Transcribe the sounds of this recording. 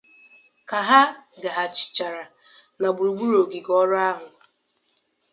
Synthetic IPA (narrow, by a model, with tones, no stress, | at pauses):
ka˨ɦa˦ɡa˨ɦa˨t͡ʃɪ̥˨t͡ʃa˨ɾa˨ | na˨ɡ͡bu˨ɾu˨ɡ͡bu˦ɾo˨ɡi˨ɡɔ˦ɾʊ˦a˦ɦʊ˨